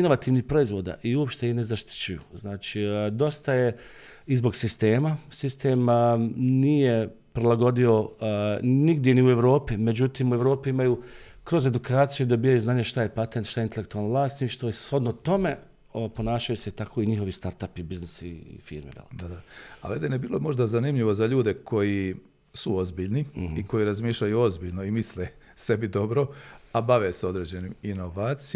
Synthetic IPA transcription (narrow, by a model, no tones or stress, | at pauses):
ino̞ʋat̪iːʋnihpɾo̞izʋo̞ːd̪a̰ʔiuopʃt̪einezaʃt̪i̥t͡ɕujṵznaːt͡ʃid̪o̞st̪aje̞ | izbo̞ɡsist̪e̞ːmasist̪eːm | niːje̞ | pɾilˠaɡo̞d̪io̞ | niɡd̪jeniue̞ʋɾo̞ːpime̞d͡ʑut̪iːmueʋɾo̞ːpiimajukɾo̞ze̞d̪ukaːt̪sijuid̪o̞biːjajuznaːɲeʃt̪ajepat̪ent̪ʃt̪aeint̪elekt̪ualnʋlˠaːst̪iʃt̪ojsho̞d̪not̪o̞me̞ | oapo̞naːʃajuse̞t̪akʰo̞iɲixo̞ʋist̪aɾt̪apibiznisḭfḭːɾmḛʋḛlḭd̪ad̪aa̰lied̪enibiːlomo̞ʒd̪azanimʎiʋo̞zaʎuːd̪e̞kʰo̞ji | suozbiːʎnihiko̞jiɾazmiːʃʎajuo̞zbiːʎnoimisle | se̞bid̪o̞bɾo̞abaʋeseo̞d̪ɾeːd͡ʑe̞niminoʋaːt̪si